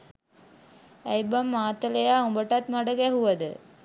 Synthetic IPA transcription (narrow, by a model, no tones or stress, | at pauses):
æjbamːaːt̪əlejaːumbəʈat̪maɖəɡɛɦuʋɐd̪ə̰